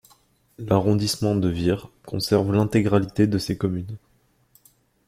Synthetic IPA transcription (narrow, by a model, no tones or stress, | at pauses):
laʁɔ̃d̪ismɑ̃d̪əviʁkʰɔ̰̃sɛʁvlɛ̃t̪eɡʁalit̪ed̪əsekɔmyn